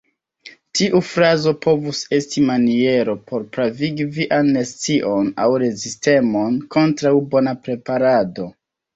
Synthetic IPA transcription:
tiʔufɾazo̞po̞vuse̞stimanie̞ɾo̞pʰo̞ɾpɾaviɡiviʔanːest͡siʔo̞na̰wɾe̞ziste̞mo̞nko̞ntɾawbo̞napɾe̞paɾado̞

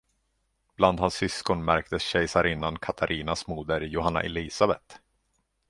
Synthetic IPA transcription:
b̥land̪hansːʏskɔnmæɾk̚t̪əsɕɛjsaɾɪnːankʰat̪ʰaɾʔiːnasmuːd̪əɾjʊɦanːa̰ʔɛliːsabɛt̪

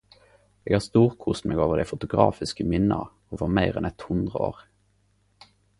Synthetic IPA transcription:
eːɡhɑːst̪uːʁkʰʊsmʔeːɡoːʋəʁd̪ɛɪfʊt̪ʊɡʁɑ̰ːfɪskəmɪnːəəɑ̰ | oːʋəʁmæɪʁɛnɛt̪hʊnd̪ʁəo̰ːʁ

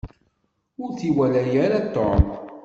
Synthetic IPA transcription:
ʊɾθiwælæjæɾat̪ːɔm

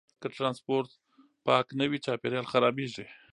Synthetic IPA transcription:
kəʈɾɑnspoɾt̪ | pɑknəwit͡ʃɑpeɾjɑlxaɾɑbeʐi

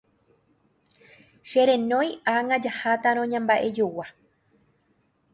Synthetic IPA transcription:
ʃe̞ɾẽ̞nõ̞jaŋãd͡ʒahat̪aɾ̃õɲãmbaʔe̞d͡ʒowa

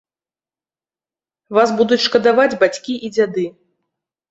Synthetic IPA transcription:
vas̬bud̪ut͡sʲʂkɐd̪avad͡zʲbat͡sʲkʲiʔid͡zʲad̪ɨ

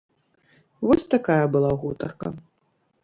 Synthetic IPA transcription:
vɔsʲt̪akajɐbɨlˠaɣut̪ɐ̰rkɐ̰

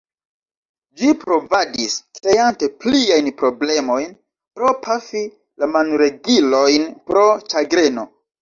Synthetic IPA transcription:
d͡ʒipɾo̞vadisktejante̞pliajnpɾo̞ble̞mo̞jn | pɾo̞pʰafi | lamanuɾe̞ɡilo̞jnpɾo̞t͡ʃaɡɾe̞no̞

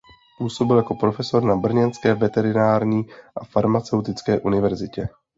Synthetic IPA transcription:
puːso̞bɪljako̞pɾo̞fɛso̞ɾnabr̩ɲɛnskɛːvɛt̪ɛɾɪnaːɾɲiːʔafaɾmat͡sɛwt̪ɪt͡skɛːʔunɪvɛɾzɪcɛ

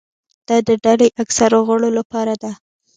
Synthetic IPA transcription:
d̪̥ɑd̪əɖalajʔaksaɾoɣəɽolapɑɾad̪a

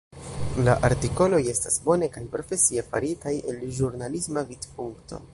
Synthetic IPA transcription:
laʔaɾtiko̞lo̞je̞stasbo̞ne̞kajpɾo̞fe̞sie̞fa̰ɾitaje̞lʒuɾnalismavidpuŋkto̞̰

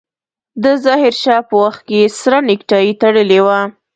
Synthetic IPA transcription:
d̪əzɑɦɪɾʃɑpəwaxt̪̚kesɾanɪkʈɑit̪aɽəlewa

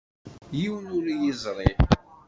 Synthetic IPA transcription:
jiwnʊɾjizˤɾˤi

